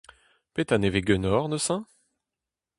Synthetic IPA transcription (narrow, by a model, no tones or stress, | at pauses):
pet̪aneveɡønɔʁnəsɛ̃